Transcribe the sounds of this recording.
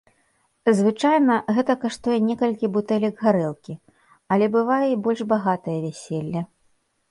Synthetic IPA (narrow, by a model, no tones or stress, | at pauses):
zvɨt͡ʂajnɐɣɛt̪ɐkaʂt̪ujɛnʲɛkɐlʲkʲibut̪ɛlʲɐɡɣaɾɛlˠkʲi | ɐlʲɛbɨvajɛibɔlʲʐbaɣat̪ɐjɐvʲæsʲelʲːɐ